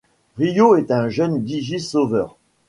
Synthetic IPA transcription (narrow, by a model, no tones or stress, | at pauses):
ʁijoɛt̪ɛ̃ʒœnd̪iʒisovœːʁ